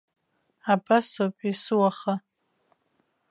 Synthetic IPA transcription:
abasapʼisɨwaχa

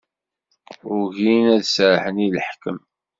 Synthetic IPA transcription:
ʊɾʝinæðsɾħəniləħkəm

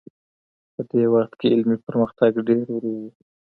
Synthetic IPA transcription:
pəd̪ewaxt̪keɪlmipəɾməxt̪aɡɖeɾwɾuwi

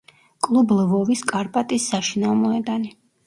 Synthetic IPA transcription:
kʼlˠublvɔviskʼaɾpʼat̪ʼisːaʃinavmɔɛd̪ani

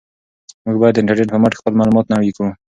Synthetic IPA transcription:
muɡ̚bɑjad̪ːəɪɳʈaɾneʈpəmaʈxpəlmɑlumɑt̪nawiku

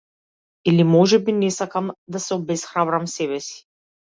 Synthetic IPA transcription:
ilimɔʒɛbinɛsakamd̪asɛɔbɛsxɾabɾamsɛbɛsi̥

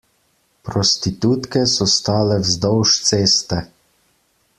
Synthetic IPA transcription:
pɾɔst̪it̪uːt̪kɛsɔst̪aːlɛwzd̪ɔwʃt̪seːst̪ɛ

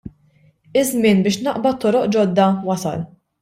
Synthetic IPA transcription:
ɪzmɪːnbɪːʃnɐʔbɐt̪ːɔɾɔʔd͡ʒɔd̪ːɐwɐsɐ̰l

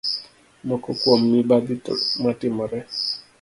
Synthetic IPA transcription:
mɔkɔkwomːibaɡɪtmatɪmɔɾɛ

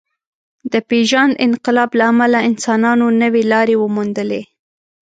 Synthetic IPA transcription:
d̪əpeʒɑnʔɪ̰nqɪlɑblaːmalaɪnsɑnɑnonəwelɑɾewəmund̪əle

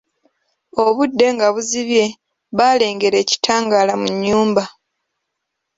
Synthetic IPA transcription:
o̞βudːe̞ŋɡaβuziβje̞ | βale̞ːŋɡe̞ɾe̞ːci̥tʰaːŋɡaːlamuɲːuːmba

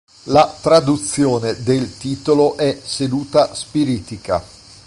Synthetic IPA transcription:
lat̪ɾad̪ut̪sːjoːned̪elt̪iːt̪oloʔɛsed̪uːt̪aspiɾiːt̪ika̰

